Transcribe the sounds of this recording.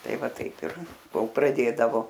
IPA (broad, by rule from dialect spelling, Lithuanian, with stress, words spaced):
ˈtɐɪ ˈʋɐ ˈtɐɪp ɪr ˈkoːlˠ prɐˈdʲeːdɐʋoː